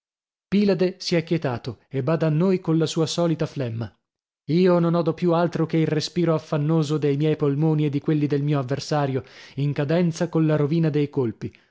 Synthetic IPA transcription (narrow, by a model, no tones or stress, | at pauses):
piːlad̪esiɛkːjet̪aːt̪oebaːd̪aːnːojkonlasuːasɔːlit̪aflɛmːa | iːononɔd̪opjualt̪ɾokeilrespiːɾoafːanːoːzod̪ejmjɛjpolmoːnied̪ːikwelːid̪elmiːoavːersaːɾjoiŋkad̪ɛnt̪sakollaɾoviːnad̪ejkolpi